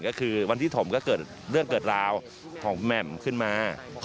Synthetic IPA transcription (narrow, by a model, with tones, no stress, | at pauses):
kɔː˥˩kʰɯː˧wa˧nt̪ʰiː˥˩t̪ʰo˩˦mkɔː˥˩kɤː˨˩t̪̚ɾɯ˥˩əŋkɤː˨˩t̪̚ɾaː˧w | kʰɔː˩˦ŋmɛ˨˩mkʰɯ˥˩nmaː˧